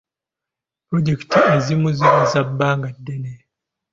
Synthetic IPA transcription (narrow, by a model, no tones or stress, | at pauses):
pɾoɟeki̥tiezimuziɾizabːaːŋɡadːene